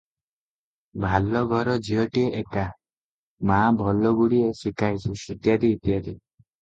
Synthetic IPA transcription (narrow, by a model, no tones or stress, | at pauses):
bʱalɔɡʱɔɾɔd͡ʒiɔʈieʔeka | mabʱɔlɔɡuɽiesikʰajsusut̪jad̪iːt̪jad̪i